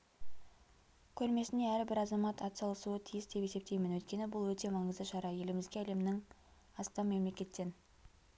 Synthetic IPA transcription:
kʲʰɵɾme̞sɪneæɾbɪɾɑzɑmɑt̪ɑt̪sɑlˠəsuət̪ʰijɪsd̪e̞pe̞se̞p̚t̪e̞jmɪnwɵt̪kʲe̞nɪbʊlˠwɵt̪e̞mɑɴəzd̪əʃɑɾɑje̞lɪmɪzɡʲeæle̞mnɪŋ | ɑst̪ɑnme̞mle̞kʲe̞t̪ːe̞n

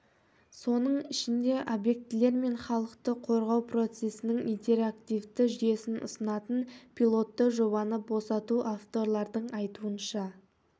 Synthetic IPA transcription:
so̞nəɴɪʃɪnd̪e̞ʔobje̞k̚t̪ɪle̞ɾme̞ɴχɑlˠəqt̪əqʰo̞ɾʁɑwpro̞t̪se̞sɪnɪŋint̪ʰe̞ɾakt̪ijvt̪ɪʒʏje̞sɪnʔʊ̰sənɑt̪ənpʰʲilˠo̞t̪ːəʒo̞βɑnəbo̞sɑt̪uʔaft̪o̞ɾlˠɑɾd̪əɴɑjt̪uənʃɑ

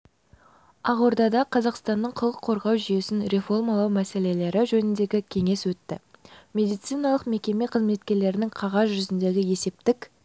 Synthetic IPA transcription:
ɑʁoɾd̪ɑd̪ɑqʰɑzɑqst̪ɑnːəɴqʰəlˠəqʰo̞ɾʁɑwʒʏje̞sɪnɾe̞fo̞rmɑlˠɑwmæse̞le̞le̞ɾɪʒɵnɪnd̪e̞ɡʲɪkʲʰe̞ŋe̞swɵt̪ːɪmʲe̞d̪ijt̪sɨjnɑlˠəqme̞kʲe̞me̞qʰəzme̞t̪kʲe̞ɾle̞ɾɪnɪŋqʰɑʁɑzʒʏzɪnd̪e̞ɡʲɪje̞se̞p̚t̪ɪkʲ

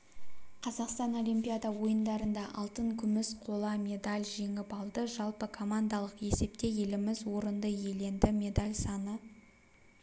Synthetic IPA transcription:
qʰɑzɑqst̪ɑno̞lʲijmpʲijad̪ɑwo̞jənd̪ɑɾənd̪ɑʔɑlˠt̪əɴkʲʰʏmɪsqʰo̞lˠɑmʲe̞d̪alʲʒe̞ŋɪpɑlˠd̪əʒɑlˠpəkʰo̞mand̪ɑlˠəqe̞se̞p̚t̪e̞je̞lɪmɪzwo̞ɾənd̪əje̞le̞nd̪ɪmʲe̞d̪alʲsɑnə

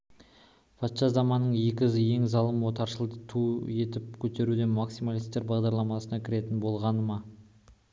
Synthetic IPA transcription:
fʰɑt̪ʃɑzɑmɑnːəɴje̞kʲɪzɪje̞ŋzɑlˠəmwo̞t̪ɑɾʃəlˠd̪ət̪ʰuje̞t̪ɪp̚kʲʰɵt̪e̞ɾud̪e̞nmaksijmalˠijst̪e̞ɾbɑʁd̪ɑɾlˠɑmɑsənɑkʲʰɪɾe̞t̪ɪnbo̞lˠʁɑnəmɑ

